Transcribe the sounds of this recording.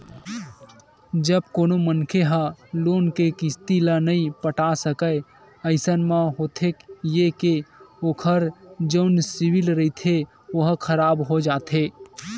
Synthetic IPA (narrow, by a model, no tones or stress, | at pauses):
d͡ʒəbkonomənkʰeɦə̃lonkekist̪ilənəipəʈasəkəɪ | əɪsənmeɦot̪ʰekjekeokʰəɾd͡ʒəʊnsiwilɾəit̪ʰe | oɦkʰəɾabɦod͡ʒat̪ʰe